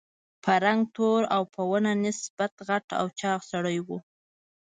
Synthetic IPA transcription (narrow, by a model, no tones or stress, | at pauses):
pʰaɾaŋɡ̚t̪oɾawpʰəwənanɪsb̥at̪ɣaʈa̰wt͡ʃɑxsaɽəjwu